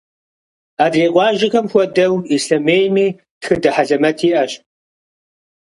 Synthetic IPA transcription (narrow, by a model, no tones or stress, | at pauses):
aːdreːqʷɑːʒɪxɐmxʷɔdɐwiɬɐmeːjmiː | txɨdɐħaɮɐmɐtʰiːʔɐɕ